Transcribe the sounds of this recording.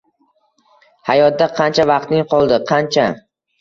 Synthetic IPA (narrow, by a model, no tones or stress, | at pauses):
hajɒt̪̚d̪aqʰɑnt͡ʃʰavɑqt̪nɪŋqʰɒlˠd̪ɪqʰɑnt͡ʃʰa